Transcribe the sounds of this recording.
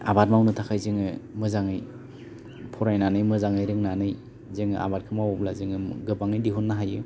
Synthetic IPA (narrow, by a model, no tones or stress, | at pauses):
a̰bat̚mawnɯtʰakʰajzɯŋɯmɯzaŋɯj | pʰɔɾajnanɯjmɯzaŋɯjɾɯŋnanɯj | zɯŋɯʔa̰baɾ̚kʰɯmawɔblazɯŋɯɡɯbaŋɯjdiɦunːaɦajɯ